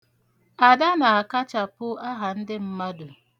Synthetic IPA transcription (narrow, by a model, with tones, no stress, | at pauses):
a˨da˦na˨a˨ka˦t͡ʃa˨pʊ˦a˦ɦa˨n̩˦dɪ˦m̩˦ma˦dʊ˨